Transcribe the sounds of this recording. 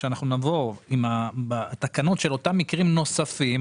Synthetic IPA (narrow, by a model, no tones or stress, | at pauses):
ʃeanaχnunavo̞imabat̪akano̞tʃelo̞tamːikʁimno̞safim